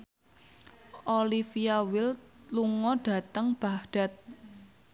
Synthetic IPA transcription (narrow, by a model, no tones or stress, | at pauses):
ʔolifiawɪlluŋɔɖ̥ä̤t̪əŋb̥aɖ̥a̤t̪̚